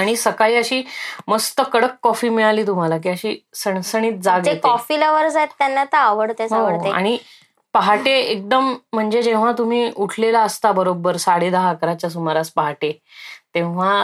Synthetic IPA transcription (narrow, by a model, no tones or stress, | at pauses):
aɽ̃isəkaiːəɕiːməst̪əkəɽəkːɔfiːmiɭaliːt̪um̤alak̬iːəɕiːsəɳsəɽ̃iːt̪̚d͡zaɡek̪ɔfiːləʋəɾd͡zaet̪ːjanːat̪əɾəʋəɽt̪esɦõʋəɽt̪ea̰ɽ̃i | pəɦaʈeek̚d̪əm̤ːəɳd͡zed͡ʑẽʋ̤at̪um̤iːuʈʰlelaəst̪abəɾobəɾsaɽed̪əɦakəɾat͡ɕjasumaɾaspəɦaʈe | t̪ẽʋ̤a